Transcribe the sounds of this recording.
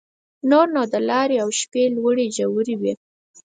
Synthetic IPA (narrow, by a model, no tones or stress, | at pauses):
noɾnod̪əlɑɾeawʃpelwəɽeʒawɾiwi